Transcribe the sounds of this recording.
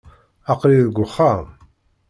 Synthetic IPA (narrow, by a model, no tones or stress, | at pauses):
ɑqɾiðɡʷʊχːa